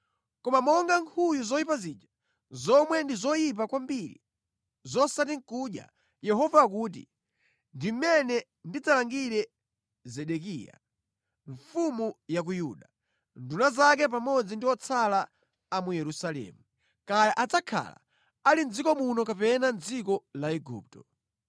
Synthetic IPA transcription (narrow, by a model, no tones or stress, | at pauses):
kɔmamɔŋɡaŋkʰujuzɔjipazid͡ʒa | zɔmwɛndizɔjip̬akwambiɾḭ | zɔsatiŋkuɗja̰ | jɛɦɔvaːkuːt̬ḭ | ndim̩mɛnɛ | ndid͡zalaŋɡiɾɛ | zɛɗɛk̬ḭːja̰ | ɱfumujak̬ujuɗa | ndunazak̬ɛp̬amɔd͡zindiɔt͡sʰalaː | mujɛɾusalɛ̰ːmu | kajaʔad͡zakʰa̰la̰ | alin̩d͡zikɔmunɔkapɛnand͡zikɔlaɛɡṵːp̚tɔ